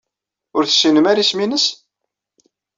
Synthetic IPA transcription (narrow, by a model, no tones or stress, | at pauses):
ʊɾθə̥sːinəmæɾisminəs